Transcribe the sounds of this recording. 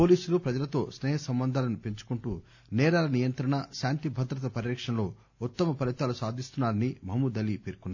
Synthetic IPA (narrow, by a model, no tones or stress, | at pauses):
po̞ːliːsulupɾɐd͡ʒɐlɐt̪o̞ːsnɛːɦɐsɐmbɐnd̪ʱaːlɐnupe̞ɲt͡ʃu̥kuɳʈuː | nɛːɾaːlɐnijɐnt̪ɾɐɳɐʃaːnt̪ibʱɐd̪ɾɐt̪̬ɐpɐɾɾɐkʂɐnlo̞ː | ut̪ːɐmɐpɐlit̪aːlusaːd̪ʱist̪unːaːɾɐnimɐmud̪ɐlipeːɾkunːaː